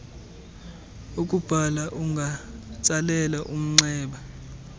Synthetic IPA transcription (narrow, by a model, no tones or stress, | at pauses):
ukʼub̥ʱalaʔuŋʱat͡sʼalɛlaʔum̩ŋ͡ǀɛːɓa